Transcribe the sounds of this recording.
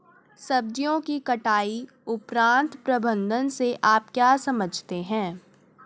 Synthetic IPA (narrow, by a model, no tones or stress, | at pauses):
sɐb̚d͡ʒijõkikɐʈaːi | ʊpɾãːnt̪pɾɐbə̃nd̪ʱənseʔaːp̚kjaːsɐməd͡ʒʱt̪eɦɛ̃ː